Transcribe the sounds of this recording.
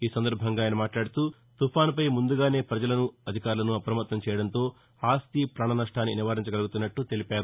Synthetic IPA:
iːsɐnd̪ɐɾbʱɐŋɡaːjnɐmaːʈlaːɽut̪uː | t̪upʰaːnpɐjmund̪uɡaːne̞ːpɾɐd͡ʒɐlɐnuɐd̪ʱikaːɾulɐnuɐpɾɐmɐt̪nɐmt͡ʃɛːjɐɽɐnt̪o̞ː | aːst̪ipɾaːɳɐnɐʂʈʰaːnːiniʋaːɾiɲt͡ʃɐɡɐluɡut̪unːɐʈːut̪e̞lipaːɾu

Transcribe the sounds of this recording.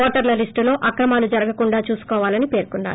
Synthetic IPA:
ɔːʈɐɾlɐlisʈulo̞ːʔɐkɾɐmaːlud͡ʒɐɾɐɡɐkuɳɖaːt͡ʃuːsu̥kɔːʋaːlɐnipe̞ːɾkunːa̰ːɾ

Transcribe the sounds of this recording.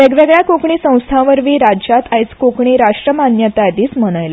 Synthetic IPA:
ʋeɡʋeɡɭjakokɳiːsə̃w̃st̪ʰãʋəɾʋiːɾaat̪ajt͡skokɳ̃iːɾaʂʈɾəmanjət̪ad̪iːsməɽ̃ajla

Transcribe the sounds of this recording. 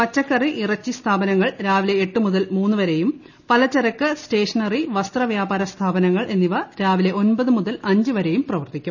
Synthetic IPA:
pɐt͡ɕːɐkːɐriʔirɐt͡ɕːist̪ʰaːbɐnɐŋːɐɭɾaːʋile̞ːʈːɨmuðɐlmuːnːɨʋɐɾe̞jum | pɐlɐt͡ɕːɐɾɐkːɨsʈe̞ːʂɐnɐriʋɐst̪rɐʋjaːbaːɾɐst̪ʰaːbɐnɐŋːɐɭʔe̞nːiʋɐɾaːʋile̞ʔo̞nbɐðɨmuðɐlɐɲd͡ʑɨʋɐɾejumprɐʋɐrt̪ikʲːum

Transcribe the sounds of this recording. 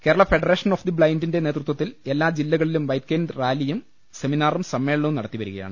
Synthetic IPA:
keːɾɐɭɐfe̞ɖɐreːʂɐnofd̪ibɭɐjndinde̞ne̞ːt̪rut̪ːwɐt̪ːile̞lːaːd͡ʑilːɐɣɐɭilumʋɐjt̪̚keːndraːlijum | se̞minaːrumsɐmːe̞ːɭɐɳnɐʋumnɐɽɐt̪ːiʋɐɾuɣɐja̰ːɳɨ

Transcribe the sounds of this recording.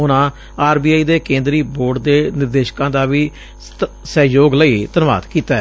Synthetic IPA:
ʊnãː | aːɾbiːaːiːd̪eːkẽːnd̪ɾiːboːɖd̪eːnɪɾd̪eːʃkãːd̪aːʋiː | sɛːjoːɡləit̪ənʋa̰ːd̪kiːt̪aː

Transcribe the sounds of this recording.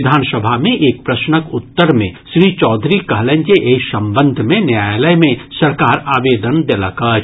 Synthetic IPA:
d̪ʱaːnsəbʱamẽʔeːk̚pɾɐsnəkʊt̪ːəɾmẽʃɾiːt͡ʃɔːd̪ʱɾikɐɦlẽnd͡ʒeʔeːsɐ̃mbə̃nd̪ʱmẽnjaːjləjmẽsɐɾkaːɾaːʋeːd̪ənd̪eləka

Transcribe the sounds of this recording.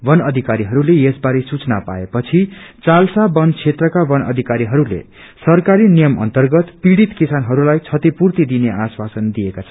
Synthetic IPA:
bʌnʌd̪ʱikaɾiɦʌɾulejesbaɾesut͡snapa̰epʌt͡sʰit͡salsabʌnt͡sʰet̪rʌkabʌnʌ̰d̪ʱikaɾiɦʌɾulḛ | sʌrkaɾinijʌmʌ̰nt̪ʌrɡʌt̪piɽit̪kisanɦʌɾulajt͡sʰʌt̪ipurt̪id̪ineʔaswasʌnd̪ijekat͡sʰʌn

